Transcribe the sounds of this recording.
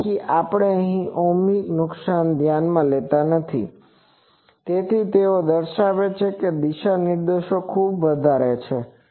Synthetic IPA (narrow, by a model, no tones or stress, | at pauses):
kiʔapəɽ̃eəɦĩʔomiknʊksand̪ʱjanmãlet̪anət̪ʰḭ | t̪et̪ʰit̪eod̪əɾʃaʋet͡ʃʰeked̪iʃanɪɾd̪eʃokʰubʋəd̪ʱaɾet͡ʃʰe